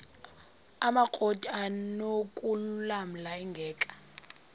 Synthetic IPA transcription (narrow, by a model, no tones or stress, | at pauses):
amakʼɔtʼanokʼullam̩laiŋɡʱɛːkʼḁ